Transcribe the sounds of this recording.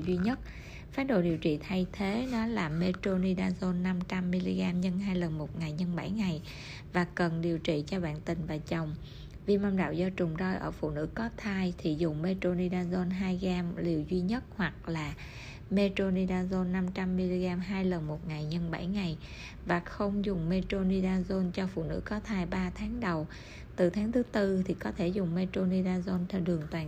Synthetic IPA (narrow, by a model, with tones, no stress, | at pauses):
zwi˧ɲə˦˥t̚ | faː˨˦˥ɗo̰˧˨ɗi˨˩əwt͡ɕḭ˧˨t̪ʰa˧jt̪ʰe˨˦nɔ˨˦laː˨˩me˧to˧ni˧ɗaː˧zo˧nːa˧mt͡ɕa˧mːi˧li˧ɣaː˧mɲə˧nɦaː˧jlə˨˩nmo˨˩t̚ŋa˨˩jɲə˧nɓa˧˩jŋa˨˩j | vaː˨˩kə˨˩nɗi˨˩əwt͡ɕḭ˧˨t͡ɕɔ˧ɓa̰ː˧˨nt̪ï˨˩ŋ̟vaː˨˩t͡ɕə˨˩wŋ͡m | vi˧˨˩ma˧mɗa̰ː˧˨wzɔ˧t͡ɕʊ˨˩ŋ͡mzɔ˧jʔəː˧˩fṵ˧˨nɨ̰˧˥kɔ˨˦t̪ʰaː˧jt̪ʰi˨˩zʊ˨˩ŋ͡mme˧t̪o˧ni˧ɗaː˧zo˧nɦaː˧jɣaː˧mli˨˩əwzwi˧ɲə˦˥t̚hwa˨˩k̚laː˨˩ | me˧t̪o˧ni˧ɗaː˧zo˧nːa˧mt͡ɕa˧mːi˧li˧ɣaː˧mɦaː˧jlə˨˩nmo˨˩t̚ŋa˨˩jɲə˧nɓa̰˧˩jŋa˨˩j | vaː˨˩xə˧wŋ͡mzʊ˨˩ŋ͡mme˧to˧ni˧ɗaː˧zo˧nt͡ɕɔ˧fṵ˧˨nɨ̰˧˥kɔ˨˦˥t̪ʰaː˧jɓaː˧t̪ʰaː˨˦ŋɗə˨˩w | t̪ɨ˨˩t̪ʰaː˨˦ŋt̪ʰɨ˨˦t̪ɨ˧t̪ʰi˨˩kɔ˨˦t̪ʰe˧˩zʊ˨˩ŋ͡mme˧t̪o˧ni˧ɗaː˧zo˧nt̪ʰɛ˧ɗɨ˨˩əŋt̪waː˨˩